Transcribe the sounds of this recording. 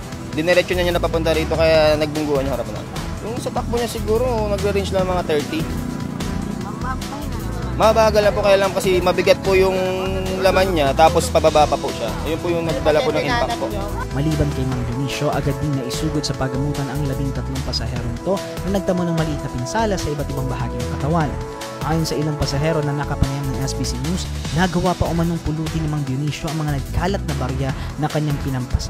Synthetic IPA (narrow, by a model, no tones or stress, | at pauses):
d̪ɪnɛɾɛt͡ʃoɲaɲanɐpɐpʊnt̪ɐɾiːt̪o̞kɐjanɐɡ̚bʊŋɡuːhɐnʊŋhɐɾap̚nɐ̰m | jʊŋsɐt̪ɐk̚boɲasɪɡuːɾo̞nɐɡɾɪɾint͡ʃlɐŋɐŋmɐŋat̪ɛɹt̪i | mɐbaːɡɐlɐpokɐjaːlɐmkɐsɛmɐbɪɡat̪̚pʊjʊŋlɐmanɲat̪aːpospɐbabaːpɐpʊʃaɐjonpʊjʊŋnɐɡ̚d̪ɐlaponɐŋʔɪmmpɐpoa | mɐliːbɐnkɐjmɐŋbjʊniːʃo̞ʔɐɡɐd̪ːɪŋnɐʔɪsuːɡod̪sɐpɐɡɐmuːt̪ɐnɐŋlɐbiŋt̪ɐt̪lo̞ŋpɐsɐhɛːɾo̞nɪt̪o̞ | nɐnɐɡ̚t̪ɐmɐnoŋmɐliʔit̪nɐpɪnsaːlɐsɐʔɪbat̪̚ʔɪbaŋbɐɦaːɡinɐŋkɐt̪ɐwan | ʔaːjonsɐʔɪlaŋpɐsɐɦɛːɾo̞nɐnɐkɐpɐŋɐjaŋnɐŋʔɛsbisiɲusnɐɡɐwapɐʔʊmɐnoŋpʊluːt̪ɪnɐmɐŋbjʊniːʃjo̞ʔɐŋmɐŋanɐɡ̚kaːlɐt̪̚nɐbɐɾjɐ | nɐkɐɲːaŋpɪnɐmpɐsa